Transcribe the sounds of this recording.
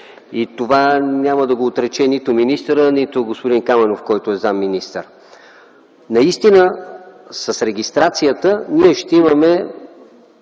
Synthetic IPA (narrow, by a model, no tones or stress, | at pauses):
it̪ovanʲaməd̪ɐɡoːt̪ɾɛt͡ʃɛnit̪ʊminist̪əɾənit̪ʊɡospʊd̪inkamɛnofkɔjt̪oɛzamːinist̪əɾ | nɐist̪inə | səsɾɛɡ̟ʲist̪ɾat̪sijət̪əniɛʃt̪ɛimɐmɛ